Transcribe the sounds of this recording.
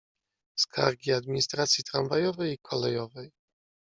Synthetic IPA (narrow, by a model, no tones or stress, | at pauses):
skʰa̰ɾɡʲiad̪mʲiɲist̪ɾat̪sʲjit̪ɾanvajɔvɛjikʰɔlɛjɔvɛj